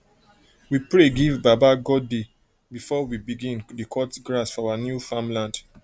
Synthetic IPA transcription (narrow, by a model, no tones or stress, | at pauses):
wipɹeɡivbabaɡɔde | bifɔwibiɡĩndekʰɔtɡɹasfɔawanjufãmlãnd